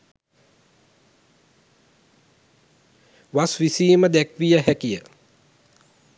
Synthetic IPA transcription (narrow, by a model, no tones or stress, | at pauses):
ʋasʋisiːməd̪ækʋijəɦækijə